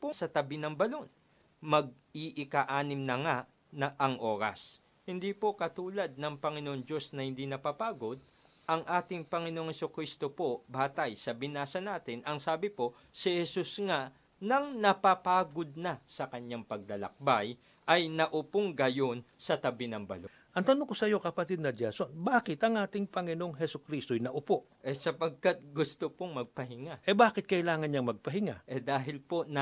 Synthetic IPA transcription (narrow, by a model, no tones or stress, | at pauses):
pʊsɐt̪ɐbinɐŋbɐlo̞n | mɐɡ̚ | iʔɪkaʔaːnɪmnɐŋa | nɐʔɐŋʔo̞ːɾɐ̰s | hɪnd̪iːpo̞kɐt̪uːlɐd̪̚nɐŋpɐŋɪnoʔoŋd͡ʒo̞snɐhɪnd̪inɐpapaːɡo̞d̪̚ | ʔɐŋʔaːt̪ɪŋpɐŋɪnooŋhɛsokɾist̪o̞po̞baːt̪ɐjsɐbɪnaːsɐnaːt̪ɪnɐŋsaːbɪpo̞ | sɪhɛsusŋa | nɐŋnɐpapaːɡod̪̚nɐsɐkɐɲːaŋpɐɡ̚lɐlɐ̰k̚baj | ʔɐjnɐʔʊpoŋɡɐjonsɐt̪ɐbɪnɐŋbɐ̰lo | ʔɐŋt̪ɐnoŋkosɐjo̞kɐpɐt̪ɪd̪̚nɐd͡ʒɛso̞nbaːkɪt̪ɐŋʔaːt̪ɪŋpɐŋɪno̞ŋɦɛsʊkɾist̪ojnɐʔʊpoʔʔɛsɐpɐɡ̚kat̪̚ɡʊst̪opoŋmɐɡ̚pɐɦɪŋaʔɛbaːkɪt̪̚kɐʔɪlaːŋɐnɲɐŋmɐɡ̚pɐɦɪŋa̰ʔɛd̪aːɦɪlpo̞nɐ